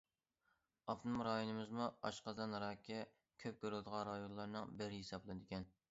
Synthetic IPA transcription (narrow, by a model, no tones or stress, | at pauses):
ɑfnɨmɾɑjonɨmɨzmuɑ̰ʃqəd̪ɑnɾɑːkʲɛ | kʲʰøp̚kʲøɾlɨd̪əʁɑ̃nɾɑjonlˠɑɾnɨŋbɪɾɪɦisɑblˠɨd̪ɪkʲɛn